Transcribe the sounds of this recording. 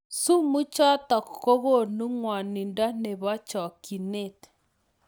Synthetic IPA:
su˦mu˦t͡ʃa˦ta˨kko˦ɣo˦˨nu˦ŋwa˨ni˨nda˦ne˨βa˦t͡ʃɔ˨ki˨ne˦t

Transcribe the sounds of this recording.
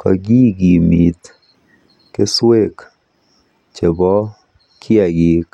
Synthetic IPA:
kʰɔ̰˨ɡi˦ɡi˨mi˨t̪ | ke˦swe˦˨k | t͡ʃe˨bɔ˦ | kʰja˨ɡi˨k

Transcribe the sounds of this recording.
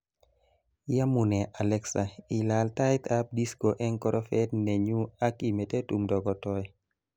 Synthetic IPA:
ja˦mu˨nɛ˨ʔa˨lɛ˦ksa˨i˨la˨lta˦jt̪ʰa˦p̚di˦sko˨ʔɛ˦nkɔɾʔɔ˦fɛ˦dnɛ˨ɲu˦a˦ki˨me˨te˦tu˨mdɔ˨ɡɔ˨tɔ˦j

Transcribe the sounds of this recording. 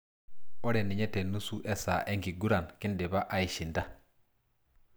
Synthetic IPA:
o˦ɾe˨ni˨ɲe˦te˨nu˦su˦ʔe˦sa̰˨ʔe˦ŋki˨ɡu˦ɾa˨nki˦nde˨ba˦ʔa˦i˨ʃi˨nta˦

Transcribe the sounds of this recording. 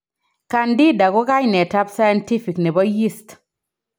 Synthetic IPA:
ka˨ndi˦da˨ɡʊ˦ka˦ɲnɛ˨ta˦psa˦ja˦nti˦fi˨knɛ˨bɔ˦ji˦st

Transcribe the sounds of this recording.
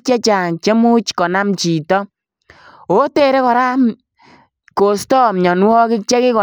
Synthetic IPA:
t͡ʃɛ˦t͡ʃaː˨ŋt͡ʃe˦mu˦t͡ʃkɔ˨na˦mt͡ʃi˨tɔ˦ | o˦te˦˨ɾɛ˦kɔ˨ɾa˦m | ko˨stɔ˦˨mɲɔ˨nwɔ˦kɪ˦kt͡ʃɛ˦kɪ˦kɔ˨

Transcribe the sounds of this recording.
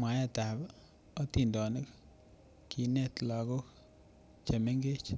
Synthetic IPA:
ma˨ja˦ta˨b | ɔ˦ti˨ndɔ˨ne˦k | ki˨nɛ˦tla˨ɡɔ˦ | t͡ʃa˨me˦ŋɡe˦t͡ʃ

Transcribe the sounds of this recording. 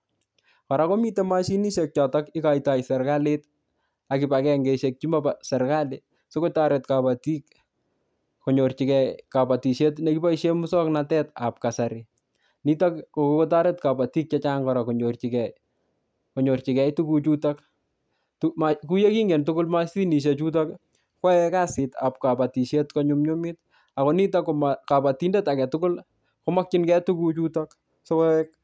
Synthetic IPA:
kɔ˨ɾako˦mi˦tema˦ʃi˦ni˦ʃek̚t͡ʃɔ˨tɔ˦kɪ˦ka˨ita˨jsɛ˨ɾkalet̚ | akɪ˨pakɛŋɡe˨ʃek̚t͡ʃi˦mabasɛ˨ɾka˦le | so˦ko˦taɾe˨t̚kapa˨ti˦k | ko˨ɲo˨rt͡ʃi˨kɛkapa˨ti˨ʃe˦tneki˦ba˦iʃemʊ˦sɔ˦knatɛ˦ta̰p̚ka˨sa˨ɾi | ni˦takokoko˦t̬a˦ɾetkapa˨ti˦k̚t͡ʃa˦t͡ʃa˦ŋkɔ˨ɾa˨ko˨ɲo˨rt͡ʃi˨kɛ˨j | ko˨ɲo˨rt͡ʃi˨kɛ˦jtu˦kut͡ʃu˦tak | tumaku˦je˦ki˦ŋɡe˨ntʊkʊ˦lma˦si˦ni˨ʃ̬e˨t͡ʃu˦t̬ak | kwɔ˦ɛka˦sɪta̰˨p̚ka˨pa˨ti˨ʃje˦tkɔɲʊmɲo˦mit̚ | a˨kɔ˨ni˦ta˦komaka˨pa˨ti˦nde˦ta˨kɛ˨tʊkʊ˦l | koma˦k̚t͡ʃɪnkɛtu˦kut͡ʃutak | so˦wɛk̚

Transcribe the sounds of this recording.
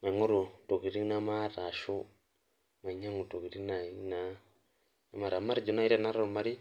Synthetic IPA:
ma˨ŋo˦ɾu˨to˨ki˨ɾi˦na˦ma˦ɾa˨ʃu˦ | ma˨ɲa˦ŋu˨to˨ki˨ɾi˦na˨i˦na˦ | na˨ma˨ɾa˨ma˦ɾi˨d͡ʒu˨˦na˦i˦ɾa˦na˦ɾa˦˨ɾu˨ma˨ɾi˦

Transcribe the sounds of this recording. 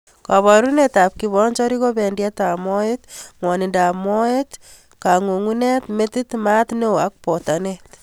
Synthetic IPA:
ka˨βɔ˨ɾuneta˨p̚kiβɔɲt͡ʃɔ˦ɾiko˦be˨ndjɛta˨mɔetŋwɔ˨ni˨nda˨mɔ˦et | ka˨ŋo˨ŋunetmetit̪ma˦tne˦o˨a˦k̚pɔ˨ta˨net̪

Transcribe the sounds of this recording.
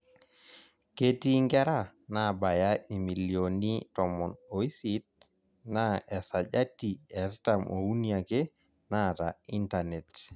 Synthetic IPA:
ke˦ti˦ŋɡɛ˦ɾa˦ | na˦˨ba˨ja˦ʔi˨mi˨li˨oni˦tɔ˨mɔ˨no˨i˦si˦t̚ | na˦ɛ˨sa˨ʄa˦ti˨ɛ˨ɾta˨mʔo˨u˦nia˨ke˦ | na˦tai˦nta˨nɛ˨t

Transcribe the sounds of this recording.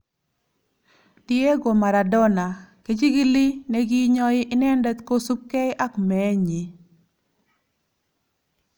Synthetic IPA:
dɪ˦e˦ɡo˨ma˨ɾa˨dɔ˦na˨ke˨t͡ʃi˦ɡɪ˦lɪ˦ne˦ɡi˦ɲɔ˦ɪ˦ʔɪ˦nɛ˦ndɛ˦t̪ko˦su˦p̚kɛ˦ɪ˦ʔa˦kmɛ˨˦ɲi˨

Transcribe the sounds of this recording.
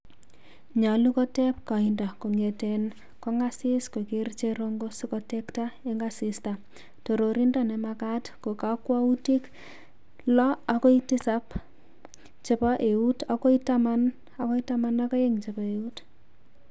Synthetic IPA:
ɲa˨lu˦kɔ˦tɛ˦p̚ka˨indɔ˨ko˨ŋe˨ten | kɔ˦ŋɡa˦sisko˨ke˦rt͡ʃeɾo˦ŋɡosi˦kɔ˦tɛktae˦ŋɡasista | to˨ɾoɾindɔnɛ˨makatko˨kakwa˦u˦ti˦k | lɔ˦ako˦iti˦sap | t͡ʃe˦paʔe˨uta˦ko˦i˦taman | a˦kɔ˦i˦tamanakɔ˦je˦ŋt͡ʃepa˨e˨ut

